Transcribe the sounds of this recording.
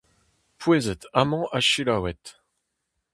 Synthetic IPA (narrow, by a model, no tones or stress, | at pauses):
pweːzɛt̪amɑ̃ʔaʃilawɛt̪